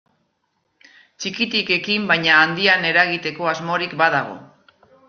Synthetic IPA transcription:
t͡ʃikit̪ike̞kimbajɲaːnd̪iane̞ɾaɣ̞it̪e̞ko̞azmo̞ɾik̚baðaɣ̞o̞̰

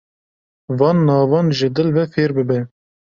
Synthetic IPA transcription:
vɑːnːɑːvɑnʒɪd̪ɨlvɛfeːɾbɨbɛ

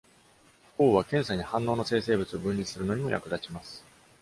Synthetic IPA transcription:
koːβakẽɰ̃saɲ̟ihãnːo̞ːnose̞ːse̞ːbɯ̟t͡sɨo̞bɯ̟̃nʲɾʲiisɨɾɯ̟no̞ɲ̟imo̞ja̰kɯ̟d̪at͡ɕimasɨ̥

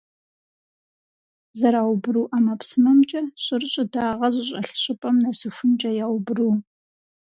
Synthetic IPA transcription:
zɐɾaːwbɨɾuːʔamɐpsɨmɐmt͡ʃʼɐɕʼɪrɕʼɪdaːʁɐʑɪɕʼɐɬɕʼɪpʼɐmnɐsɨxʷʊmt͡ʃʼɐjaːwbruː

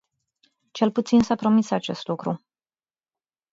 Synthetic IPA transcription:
t͡ʃe̞lput̪sinsapɾo̞misat͡ʃe̞st̪lukɾu

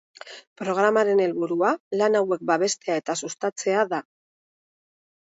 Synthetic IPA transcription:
pɾo̞ɣ̞ɾamaɾe̞ne̞lβuɾualanawe̞k̚baβ̞e̞st̪e̞aet̪asust̪at͡se̞aða

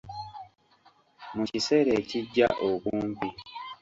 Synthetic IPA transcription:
mucise̞ɾeciɟːa̰ʔokuːmpi

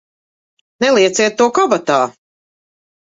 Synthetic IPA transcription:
nɛlˠiɛt̪siɛt̪ːuɔkɔbat̪aː

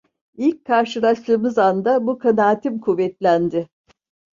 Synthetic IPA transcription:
ilʲc̚ʲkʰaɾʃɯlˠaʃlˠɯːmɯzand̪abukʰanaːt̪ʰimkʰuvːɛt̪lʲænd̪ɪ

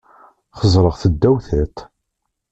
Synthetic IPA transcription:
χəzˤɾˤəʁθəd̪ːæwθæt̪

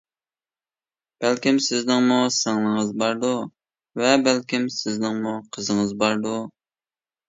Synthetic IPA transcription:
b̥ælkʲimsɪznɪŋmusɑŋlˠəŋəzbɑɾd̪u | vɛbælkʲimsɪznɪŋmuqʰəzəŋəzbɑɾd̪u

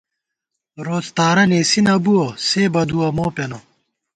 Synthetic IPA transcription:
ɾoːst̪aːɾɐneːsinɐbuoseːbɐd̪uɐmoːpeno

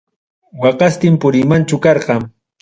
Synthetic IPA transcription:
wɑqɑst̪ɪmpʊɾɪmant͡ʃʊkɑɾɢɑŋ

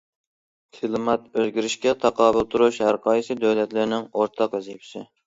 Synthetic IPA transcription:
t̪ʰɪlˠmɑt̪øzɡʲiɾɪʃkʲɛt̪ʰɑqɑːbɨlˠt̪ʰuɾuʃhæɾqɑːjisɪd̪øwlɛt̪lɪɾnɪŋoɾt̪ʰɑqɪzepʰɪ̥sɪ

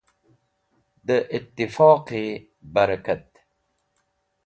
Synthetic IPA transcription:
d̪əʔɪt̪ːɪfɑːqi | bɐɾakat̪

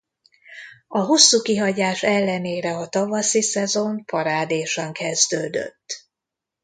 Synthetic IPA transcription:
ɒɦo̞sːuːkiɦɒɟaːʃɛlːɛneːɾɛɒt̪ɒvɒsisɛzo̞mpʰɒɾaːd̪eːʃɒŋkɛzd̪øːd̪ø̰t̪ː

